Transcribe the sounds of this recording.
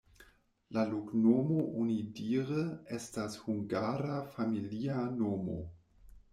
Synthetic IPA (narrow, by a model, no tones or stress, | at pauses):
laluknomoʔonidiːɾəestashuŋɡaːɾafamilianoːmo̰